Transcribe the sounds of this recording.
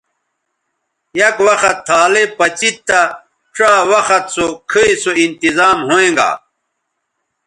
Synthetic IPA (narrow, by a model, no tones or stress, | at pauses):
jɐkwɐxɐt̪ʰːaːlepɐt͡ɕit̪ːa | ʈ͡ʂaːwɐxɐt̪sokʰiisoint̪izaːmɦoẽŋɡa̰ː